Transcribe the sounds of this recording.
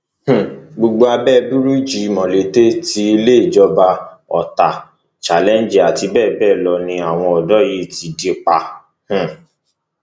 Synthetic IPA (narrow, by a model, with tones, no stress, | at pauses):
h̩˨ɡ͡bo˧ɡ͡bo˧a˧bɛː˦˨˧bu˦ɾu˦d͡ʒi˨˦˧mɔ̃˨le˨˦te˦ti˧i˧le˦i˦˨d͡ʒɔ˧ba˧ɔ̰˨ta˨ | t͡ʃa˨lɛ˦n˦d͡ʒi˨a˨ti˧bɛ˦˨bɛː˦˨lɔ˧nĩ˧a˨w̃ɔ̃˧ɔ˨dɔ˦ji˦˨ti˧de˦k͡pa˧ | h̩˨